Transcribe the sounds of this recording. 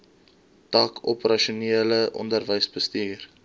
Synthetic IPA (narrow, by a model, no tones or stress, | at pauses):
tɑːkʰɔpərɐʃuniələʔɔ̰ndərvəjsbəstiːr